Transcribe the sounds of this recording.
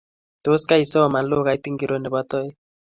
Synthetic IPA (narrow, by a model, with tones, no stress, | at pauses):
t̪o˨˦ska˦i˨sɔ˦ɔ˨ma˨lo˦ka˨i˦ti˦ŋɡi˨ɾo˦nɛ˨ba˦tɔ˦i˦